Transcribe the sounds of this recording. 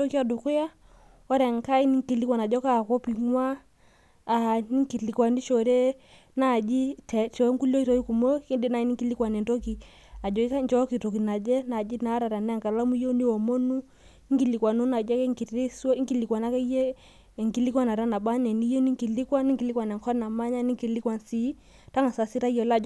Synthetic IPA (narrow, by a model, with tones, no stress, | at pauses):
o˦ki˦a˨do˨ku˦ja˦ | ɔ˦ɾɛ˨ŋka˦i˦ni˦ŋki˨li˦kwa˨na˨d͡ʒɔ˦ka˦˨ko˦pi˨ŋwaː˦˨ | ni˦ŋki˨li˨kwa˨ni˦ʃo˨ɾe˦ | na˦˨d͡ʒi˦tɛ˨t͡ʃɔ˨˦ŋku˦lo˦i˦to˦i˦ku˨mo˦ki˦nde˦na˨i˦ni˦ŋki˦li˦kwa˨nɛ˨nto˦ki˨ | a˨d͡ʒɔ˨i˦ka˦ɲd͡ʒɔ˦ki˨tɔ˨ki˨na˨d͡ʒɛ˦na˨d͡ʒi˦na˨˦ɾa˨ɾa˨nɛ˦a˦˨ŋɡa˨la˦mu˦i˦jɔ˦ni˦wɔ˨mɔ˦nu˦ | ŋ˦ɡi˦˨li˨kwa˨nɔ˦na˨d͡ʒɛ˦kɛ˦ŋki˨ɾi˦si˦ŋɡi˨li˨kwa˨na˦ka˦i˦jɛ˦˨ | ŋɡi˨li˦kwa˦na˨ɾa˦na˨ɓa˦nɛ˨ni˦jɔ˦ni˦ŋ˦ki˨li˦kwa˦ni˦ŋ˦ɡi˨li˦kwa˨nɛ˨ŋ˨kʰɔ˦na˨ma˦ɲa˦ni˦ŋki˨li˦kwa˨nsi˨˦ | ta˦ŋa˨sa˨si˦ɾa˦i˦jɔ˨la˦